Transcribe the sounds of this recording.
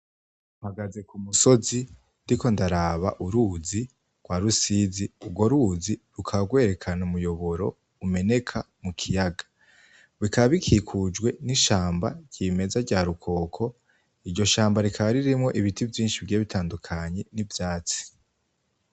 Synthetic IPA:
uhaɡaze̞kumuso̞zi | ndiko̞ndaɾaβaʔuɾuzi | ɡ̥waːɾusiziubɡwo̞ɾuziɾukʰaβaɡwe̞ːɾe̞kʰanumujo̞βo̞ɾo̞ | ume̞ne̞kʰa | mukʰijaɡḁ | βikʰaββikʰiːkʰud͡ʒɡwe̞niʃaːmba̰ɟ̥iːme̞zaɟaːɾukʰo̞ːkʰo̞ | iɾɟo̞ʃaːmbaɾikʰaβaɾiɾimŋo̞ʔiβitivjiːnʃivɟeːβitʰaːndukʰaɲe̞nivjaːt͡si̥

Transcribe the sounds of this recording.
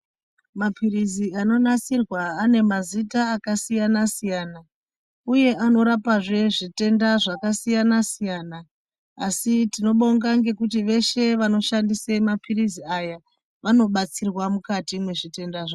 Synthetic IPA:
mapʰiriziano̞nat͡sirwaːne̞mazitaːkasijanasijaːna | uje̞ʔano̞ɾapaʐe̞ʐite̞ndaʐakasijanasijaːnaː | sitino̞ɓoŋɡaŋɡe̞kutiʋe̞ʃe̞ʋano̞ʃandisemapʰiriziaja | ʋano̞ɓat͡sirwamukatimwe̞ʐite̞ndaʐa

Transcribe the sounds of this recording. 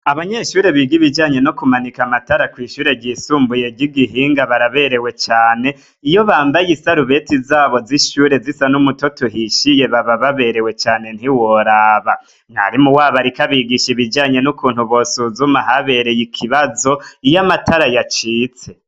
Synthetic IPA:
aβaɲeʃuːɾe̞βiɡiβid͡ʒaːɲe̞nokumanikamataɾakwiːʃuːɾe̞ɟiːsuːmbuje̞ɡiɡiɦiːŋɡaβaɾaβe̞ɾe̞we̞t͡ʃaːne̞ | ijo̞βaːmbajisaɾuβe̞tizaːβo̞ziʃuːɾe̞zisanumuto̞tuɦiʃije̞βaβaβaβe̞ɾe̞we̞t͡ʃaːne̞n̥hiwo̞ɾaːβa | ŋ̥a̰ɾimuwaːβaɾikaβiɡiʃiβid͡ʒaːɲe̞nukuːnhuβo̞suzumaɦaβe̞ɾe̞jikʰiβazo̞ijamataɾajat͡ʃiːt͡se̞

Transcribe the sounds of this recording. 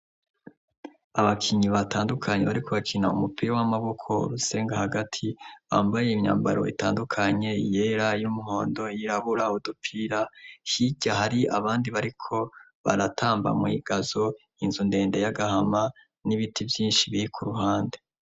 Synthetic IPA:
aβakʰiɲiβatʰaːndukʰaɲe̞βaɾikʰo̞βakʰinaṵmupiɾawamaβo̞kʰo̞̰ɾuse̞ːŋɡahaɡatʰiβa̰ːmbaje̞imɲa̰ːmba̰ɾo̞̰ḭta̰ːndukʰaɲe̞ije̞ɾajumuɦo̞̰ːndo̞iɾaβuɾaudupʰiɾahiɟahaɾiaβaːndiβaɾikʰo̞ | βa̰ɾatʰaːmba̰mwḭɡ̥azo̞ | inzunde̞ːndejaɡahama | niβitʰivjiːnʃiβiikʰuɾuɦaːnde

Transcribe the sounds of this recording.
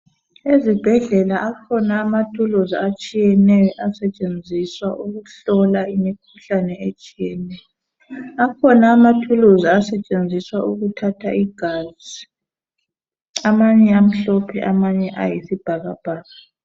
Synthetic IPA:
ezib̥ʱɛɮɛlaʔakʰɔnaːmatʰuluziat͡ʃʼijɛnɛjɔʔasɛt͡ʃʼend͡zʱiswaʔuɣuɬɔlaimikʰuɬanɛet͡ʃʼijɛnɛjɔ | akʰɔnaːmatʰuluziasɛt͡ʃʼend͡zʱiswaʔuɣutʰatʰaʔiɡ̥ʱazi | amaɲɛam̩ɬɔpʰɛ̰ʔamaɲɛʔa̰jisib̥ʱaɣab̥ʱaːɣa

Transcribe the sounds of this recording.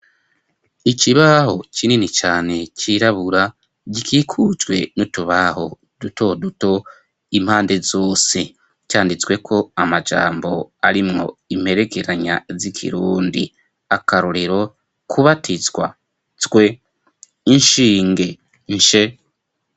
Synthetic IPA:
iciβaho̞cininit͡ʃaːne̞ciɾaβuɾa | ɟikʰiːkʰuzwe̞̰nutuβaɦo̞ | d̥uto̞duto̞ | im̥haːnde̞zo̞ːsi | caːndit͡swe̞kʰo̞amad͡ʒa̰ːmbo̞aɾimŋo̞̰im̥he̞ɾe̞keɾaɲa̰zikʰḭɾuːndḭ | akaɾoɾiɾo̞ | kʰuβatʰizɡwa̰ | twe̞ | inʃiːŋɡe̞ | nʃe

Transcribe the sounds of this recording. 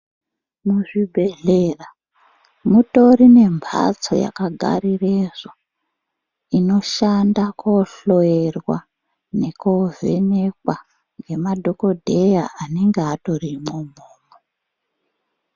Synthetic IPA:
muʐibʱe̞ɮera | mutoɾine̞mbʱa̰t͡so̞̰ja̰kaɡʱa̰ɾireʐa | ino̞ʃandakoɬo̞jerwa̰ | ne̞kove̞̰ne̞kwa | ŋɡe̞madʱo̞ko̞dʱejaʔaneŋɡeato̞rimomoːmo

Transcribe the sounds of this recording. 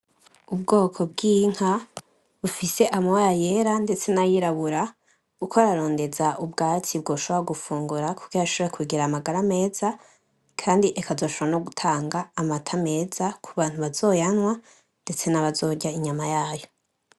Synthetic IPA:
ubɡoːkʰo̞bɡiːŋ̥ha | βufise̞ʔamawajajeɾande̞t͡se̞najiɾaβuɾa | ukʰoɾaɾo̞ːnde̞zaʔubɡaːt͡sib̚ɡo̞ːʃoβoɾaɡufuːŋɡuɾaku̥ɡijaʃoβeɾekwiːɡiɾamaɡaɾame̞ːz̥a | kʰaːndiʔekʰazo̞ːʃoβoano̞ɡutʰaːŋɡaːmatʰame̞ːzakʰuβaːn̥huβazo̞ːjanwa | nde̞t͡se̞naβazo̞ːɟaiɲamajaːjo̞

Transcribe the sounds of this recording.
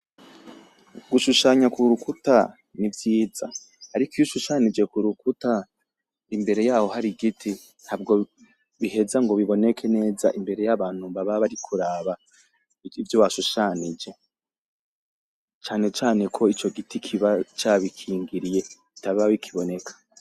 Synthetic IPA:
ɡuʃuʃaɲakuɾukuta | nivjiːza̰ | haɾikijuʃuʃanid͡ʒe̞kuɾukuta | imbe̞ɾe̞jaːho̞haɾiɡitʰi | n̥habɡo̞ | βiɦe̞zaŋɡo̞βiβo̞ne̞kʰe̞ne̞ːza̰ʔimbe̞ɾe̞jaβaːn̥huβaβaβaɾikʰuɾaːβa | ivjowaʃuʃaːnid͡ʒe̞ | t͡ʃaːne̞t͡ʃaːne̞kʰo̞it͡ʃo̞ɡitikʰiβat͡ʃaːβikʰiːŋɡiɾije̞kitaβawikʰiβo̞ne̞kʰḁ

